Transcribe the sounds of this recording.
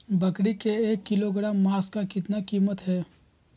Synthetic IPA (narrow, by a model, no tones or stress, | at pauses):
bɐkɽikeeːkːɪloɡɾaːmːaːskakɪt̪nakiːmət̪ɦɛː